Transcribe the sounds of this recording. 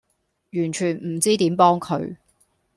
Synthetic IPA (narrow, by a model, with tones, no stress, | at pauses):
jyː˨˩nt͡ʃʰyː˨˩nm̩˨˩t͡siː˥t̪iː˨˥mpɔː˥ŋkʰɵ˨˧ɥ